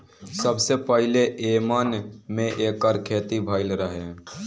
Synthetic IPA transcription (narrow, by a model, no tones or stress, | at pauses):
səbsepəɦɪleʔeːmanmẽʔeːkɔːɾkʰeːt̪ibʱaːɪlɾəɦe